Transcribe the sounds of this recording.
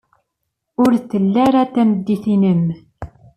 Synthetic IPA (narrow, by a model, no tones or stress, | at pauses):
ʊɾθəlːæɾat̪ːæməd̪ːiθinəm